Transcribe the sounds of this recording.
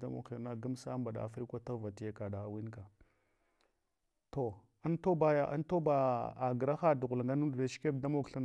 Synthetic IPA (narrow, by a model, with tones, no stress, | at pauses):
a˦mo̰˨ki˨na˦ɡa˦msa˦ba˨ɗa̰˨a˨fɾi˦kʷa˦ta˦va˨ti˦je˦ka˨da˨wi˦nka˨ | to˨ | a˦nto˦ba˦ja˦ʔa̰˦nto˦ba˨a˨ɡɾa˦xa˦˨du˨ɣu˨la˨ŋɡa˦nu˦dɾe˨ʃke˦bda˦mo˦kɬa˦n